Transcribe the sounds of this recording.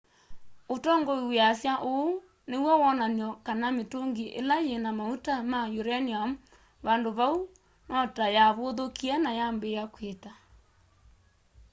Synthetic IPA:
otɔŋɡoiweasjaʔoo | newɔwɔnanjɔkanametoŋɡiʔḛlajenamautamajuɾɛniam̩ | βandoβau | nɔtajaβoðokiɛnajambejakweta

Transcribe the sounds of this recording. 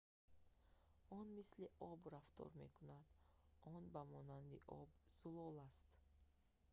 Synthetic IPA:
ɔnmisliʔɔbɾaft̪ʰɔ̰ɾme̞̰kʰunad̪̥ʔɔnbamɔnand̪iʔɔ̰bz̥ulɔlast̪

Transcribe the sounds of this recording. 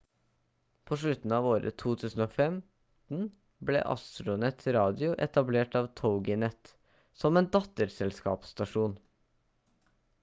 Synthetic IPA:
pʰoːʂɭʉt̪n̩ɑːʋoːɾə̰t̪ʰuːt̪ʰʉːsn̩oːfɛm | t̪n̩ | blɛ̰ːʔɑ̰st̪ɾʊnɛt̪ʰɾɑːd̪ɪʊʔɛt̪ɑbleːʈɑːʋt̪ʰəʊɡɪnɛt̪ | sɔmeːnd̪ɑt̪əɾsɛlskɑ̰ːpst̪ɑʂuːn

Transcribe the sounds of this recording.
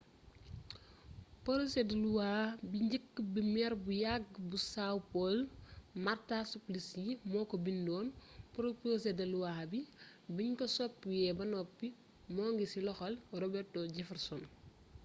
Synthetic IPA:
pɔɾosɛdɐluwaːbiɲɟəkːbimɛɾbujaɡbusawpɔlmartasuplisjimɔːkɔbindɔːnpɔɾoposɛdɐluwaːbi | biɲkɔsɔpːjɛbɐnɔpːi | mɔːŋɡisilɔxɐlrɔbɛtɔɟɛfɐrsɔn

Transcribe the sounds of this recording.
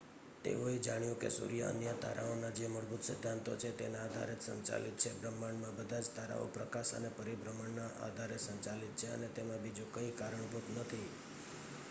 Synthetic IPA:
t̪ḛoed͡ʒaɽ̃jũkḛsṵɾijaə̰njət̪a̰ɾaonad͡ʒeməɾbut̪sɪd̪ʱːant̪ot͡ʃʰet̪enaad̪ʱa̰ɾet̪sə̰ɲt͡ʃa̰lit̪̚t͡ʃʰebɾəmːaɳmãbəd̪ʱad͡ʒt̪aɾa̰o̰pɾəkaʃə̰nepəɾibɾəməɳnaʔa̰d̪ʱaɾesəɲt͡ʃalit̪̚t͡ʃʰeə̰net̪emãbid͡ʒukəikaɾəɳ̃but̪nət̪ʰi

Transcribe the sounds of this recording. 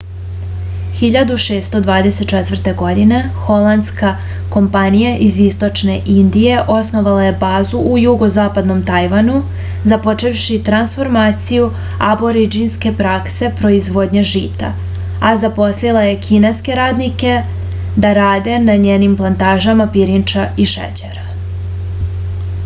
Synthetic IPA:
xiʎad̪uʃeːst̪o̞d̪ʋaːd̪ese̞t̪t͡ʃɛt̪vr̩t̪e̞ɡo̞d̪ine̞xo̞lˠand̪ska | ko̞mpanijaʔizist̪o̞t͡ʃneʔind̪ije̞ʔo̞sno̞ʋalaje̞baːzuʔujuɡo̞zaːpad̪no̞mt̪ajʋanu | zapo̞t͡ʃe̞ʋʃit̪ɾansfo̞ɾmaːt̪siju | aboɾid͡ʒinske̞pɾakse̞pɾo̞izʋo̞d̪ɲeʒiːt̪a̰ | azapo̞slilˠaje̞kʰineske̞ɾaːd̪nike̞ | d̪aɾaːd̪e̞naɲeːnimplˠant̪aːʒamapiɾint͡ʃaiʃḛt͡ɕeɾa

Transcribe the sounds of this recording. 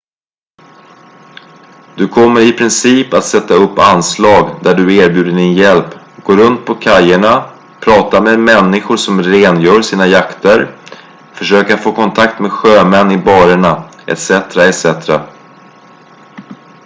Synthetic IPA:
d̪̥ɵkʰɔmːəɾɪpʰɾɪnsiːpat̪sɛt̪ːaɵpːanslɑːɡd̪æɖɵeːɾbjʉ̟ːd̪əɖɪnjɛlp | ɡoːɾɵnt̪̚pʰɔkʰajːəɳa | pʰɾɑːt̪ameːd̪mɛnːɪɧʊʂɔmɾeːnjœːʂiːnajakt̪əɾ | fœʂøːkaɾfoːkʰɔnt̪ʰak̚t̪meːɧøːmɛnːɪbɑːɾəɳaɛ̰t̪sɛt̪ɾaɛt̪sɛt̪ɾa

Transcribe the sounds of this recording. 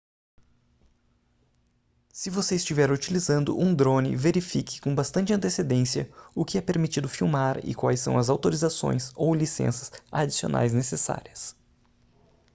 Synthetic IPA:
sɪvoseɪst͡ʃivɛɾut͡ʃilizɐ̃nd̪ʊ̰ʔũd̪ɾõnɪ̰veɾifikɪ̥kõbast̪ɐ̃nt͡ʃɪɐ̃t̪esed̪ẽsiɐ̰ʊkɪɛpeɾmit͡ʃid̪ʊfiwmaɾɪ̰kwajsːɐ̰̃w̃ɐzawt̪oɾizasõ̰j̃sowlisḛ̃sɐz̥a̰d͡ʒisio̰nʔa̰jznesesa̰ɾiɐs

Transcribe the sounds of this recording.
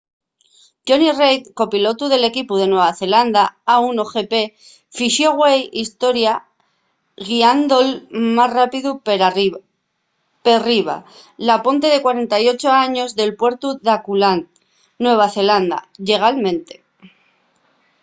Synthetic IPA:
t̪ɟ͡ʝonirejt̪ko̞pilo̞t̪uð̞e̞le̞kipuðe̞nwe̞βaθe̞land̪aaunoxe̞pe̞ | fiʃjo̞ɣwejist̪o̞ɾja | ɣiand̪olmasrapiðu | periβ̞a̰ | lapo̞nt̪e̞ð̞e̞kwaɾe̞nt̪ajo̞t͡ʃo̞aɲo̞zðe̞lpwe̞ɾt̪uðakulanː | we̞β̞aθe̞land̪a̰ʎe̞ɣ̞almẽ̞nt̪e̞̥

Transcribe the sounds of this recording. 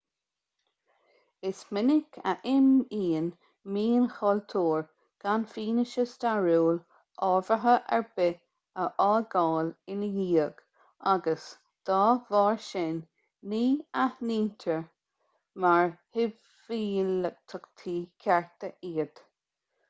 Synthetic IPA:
ɪsmɪnɪkʰə̰ʔɪmiːən | miːənxɔlt̪ʰuːɹ | ɡ̥anfiːnɪʃəst̪aɹuːl | ʔɔːvəɦəʔɛɹbɪ | əʔɑːlɡɑːlɪnəjiːəɡ̥ | aɡəs | d̪̥ɑːvɑːɹʃɪnː | iːahniːnt̪ʰəɹ | maɹhɪ | viːlət̪ʰʊkt̪ʰiːkʰɛɹt̪əʔiːəd̪̥

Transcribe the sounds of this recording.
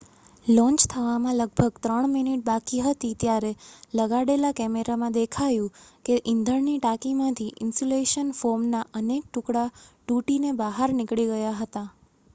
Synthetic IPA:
lɔ̃ɲt͡ʃt̪ʰəʋamãləɡ̚bʱəɡt̪ɾəɳ̃miniʈ̚bakiɦət̪it̪jaɾeləɡaɽelakɛmeɾamãd̪ekʰajũkeʔɪnd̪ʱəɾniʈakimãt̪ʰiʔɪnsoleʃənfoɾmnaʔənek̚ʈʊkɽaʈuʈinebaɦaɾnɪkɭiɡəjaɦət̪a

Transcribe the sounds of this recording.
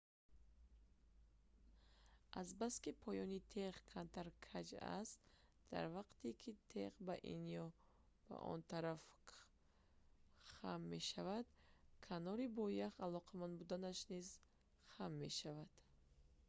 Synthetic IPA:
ʔazbaskipʰɔjɔnit̪ʰeʁkʰant̪ʰaɾkʰad͡ʒa̰st̪d̪̥a̰ɾvaqt̪ikʰit̪ʰeʁbaʔḭnijɔ | b̥a̰ʔɔ̰nt̪ʰaɾaf | χa̰mːe̞ʃavad̪kʰanɔɾibɔjaχalɔqʰamanbud̪anaʃniz | χamːeʃavad̪̥

